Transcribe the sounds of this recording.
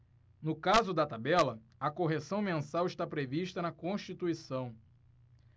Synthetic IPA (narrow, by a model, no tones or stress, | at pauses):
nʊkazʊd̪ɐt̪abɛlɐɐkoɦesɐ̃w̃mẽnsawɪʃt̪apɾeviʃt̪ɐnɐkõʃt͡ʃit̪uisɐ̃w̃